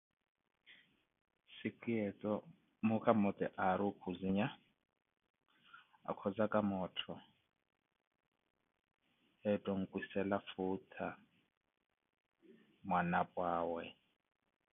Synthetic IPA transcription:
siǃʼiɛt͡sʼɔ | mukʰʼamɔt̪ʼɛʔaɾukʰuziɲa | a̰kʰɔd͡zakʼamɔtʰɔ | ɛtʼɔŋ̩kʼwisɛlafuːtʰa | mwanapʼwaːwɛ

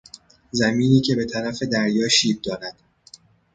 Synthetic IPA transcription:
zæmiːniːcʰe̞be̞t̪ʰæɾæfe̞d̪æɾjɒːʃiːb̚d̪ɒːɾæd̪̥

